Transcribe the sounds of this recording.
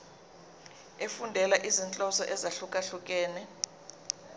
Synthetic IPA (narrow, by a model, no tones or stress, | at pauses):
efundʱɛlaʔizint͡ɬʼɔsɔʔɛzaɬukʼaɬuk̬ʼɛːnɛ